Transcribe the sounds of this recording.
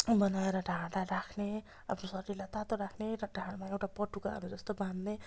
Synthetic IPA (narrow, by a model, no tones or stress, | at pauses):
bʌnaeɾʌɖʱãd̪aɾakʰne | ʌ̰pʰnosʌʈilat̪at̪oɾakʰneɾʌɖʱãɽmaewʈapʌʈukaɦʌ̰ɾud͡zʌst̪obãnd̪ne